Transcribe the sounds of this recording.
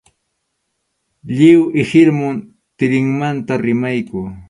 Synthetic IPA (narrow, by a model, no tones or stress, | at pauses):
ʎɪwɪhɪɾmʊn | t̪ɪɾɪŋmant̪aɾɪmajkʊː